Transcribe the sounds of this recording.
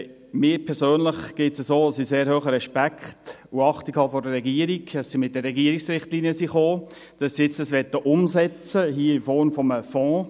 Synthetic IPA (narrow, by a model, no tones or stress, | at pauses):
mɪːɾpʰɛɾsøːnləχɡ̥ɪtsəsoːɑsiseːɾhøːχəɾɛʃpækχtuɑχtikhɑfɔɾdəɾːɛɡiəɾiɡəssimɪt̚d̥ərːɛɡiəɾiksɾɪχtliniəsiχoː | d̥ɑsːiɪt͡sdəsʋɛt̪ːəʔʊmzɛt͡səɦiːəɪmfɔɾmfɔməfɔ̃ː